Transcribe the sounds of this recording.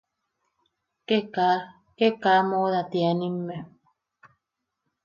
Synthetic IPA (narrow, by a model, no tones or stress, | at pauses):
keka | kekaːmoðat̪eanimːe